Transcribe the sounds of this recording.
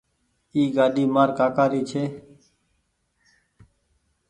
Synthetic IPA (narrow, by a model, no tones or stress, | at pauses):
iːɡaːɗiːmaːɾkaːkaːɾiːt͡ʃʰeː